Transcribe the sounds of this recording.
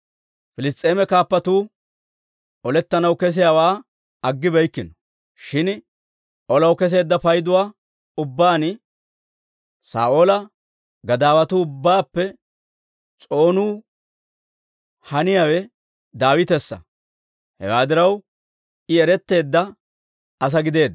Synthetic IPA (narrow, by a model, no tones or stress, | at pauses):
fɪlɪst̪ʼe̞ːmɛkaːpːɐt̪uː | ʔɔlɛt̪ːɐnɐwkɛs̬ɪjaːwaː | ɐɡːɪbɛjkːɪnɔ | ʃɪn | ʔɔlɐwkɛs̬e̞ːd̪ːɐfɐjd̪ʊwaː | ʊbːaːn | sa̰ːoːlɐ | ɡɐd̪aːwɐt̪uːbːaːpːɛ | t͡sʼo̞ːnuː | hɐnɪjawɛ | d̪aːwɪt̪ɛsːɐ̰ | hɛ̰waːd̪ɪɾɐw | ɪɛɾɛt̪ːe̞ːd̪ːɐ | ɐs̬ɐɡɪd̪e̞ːd̪